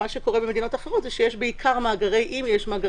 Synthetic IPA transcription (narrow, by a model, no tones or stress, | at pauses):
aʃeko̞ʁebemed̪ino̞taχeʁo̞tzeʃejeʃbeikʰaʁmaːɡaʁe̞jʔimjeʃmaːɡa